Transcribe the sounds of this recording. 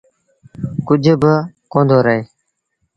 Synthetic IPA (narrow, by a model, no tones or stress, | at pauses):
kʊd͡ʒʱəbəkõːnd̪ʱoːɾəeː